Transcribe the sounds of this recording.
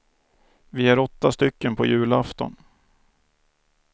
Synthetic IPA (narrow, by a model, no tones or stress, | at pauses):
vɪæɾɔt̪ːast̪ʏkːənpʰɔjʉ̟ːlaft̪ɔ̰n